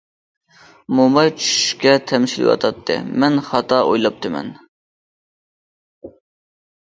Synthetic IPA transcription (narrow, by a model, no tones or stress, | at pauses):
momɑjt͡ʃʰy̥ʃkʲɛt̪ʰɛmʃilɪ̰wɑ̰t̪ʰɑt̪ʰːɨ̰mɛnχɑt̪ʰɑojlˠɑp̚t̪ʰɨmɛ̰n